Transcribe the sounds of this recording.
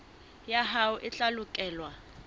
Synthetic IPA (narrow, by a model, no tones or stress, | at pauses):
jaɦauʔɪt͡ɬalukʼɛːlwa